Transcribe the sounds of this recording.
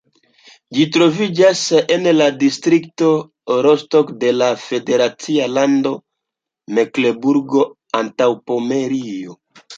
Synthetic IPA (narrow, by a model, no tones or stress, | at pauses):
d͡ʒitɾo̞vid͡ʒasenladistɾikto̞ | ɾostokde̞lafe̞de̞ɾat͡sialando̞ | meklebuɾɡo̞ | antawpo̞me̞ɾio